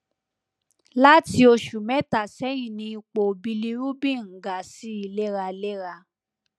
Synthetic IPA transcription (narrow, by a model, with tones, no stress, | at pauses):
la˦ti˧o˧ʃu˨mɛ̃˨˦ta˦˨sɛ˨˦jĩ˨nĩ˧i˧k͡po˨bi˧li˦ɾu˦bĩ˦˨ŋ̩˨ɡa˨si˨˦i˧le˦ɾa˧le˦ɾa˧